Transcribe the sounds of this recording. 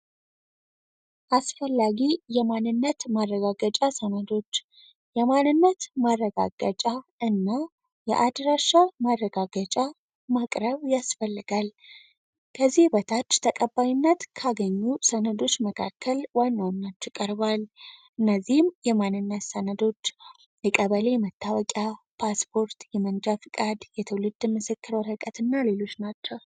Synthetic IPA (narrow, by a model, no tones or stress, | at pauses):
ʔasfəlːaɡijɛmanːɨnːət̪marːəɡaɡət͡ʃʼasənad̪o̞t͡ʃː | jɛmanːɨnːət̪marːəɡa̰ɡət͡ʃʼaʔɨnːa | jɛ̰ʔad̪ɾaʃamarːəɡaɡət͡ʃʼa | makʼɾəβjasfəlːɨɡal | kʰəzːihbət̪ʰat͡ʃːt̪ʰəkʼəbːajinːət̪kʰaɡəɲːusənəd̪o̞t͡ʃːməkʰakʰːəlwanːawnːat͡ʃːkʼəɾbalʔɨnːəzːihmjɛmanːɨnːət̪sənəd̪o̞t͡ʃː | jɛkʼəβəlemət̪ʰːawɔkʼjapʰaspʰo̞ɾt̪jɛmənd͡ʒafɨkʼad̪jɛt̪ʰɨwlɨd̪ːmɨsɨkːɨɾwəɾəkʼət̪ɨnːale̞lo̞t͡ʃːnat͡ʃːəw